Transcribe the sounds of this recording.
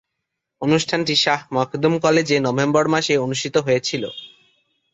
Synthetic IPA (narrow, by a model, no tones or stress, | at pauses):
onuʃʈʰanʈiʃaɦmɔkʰd̪umkɔled͡ʑenɔbʱembɔɾmaʃeonuʃʈʰit̪oɦojet͡ɕʰilo̰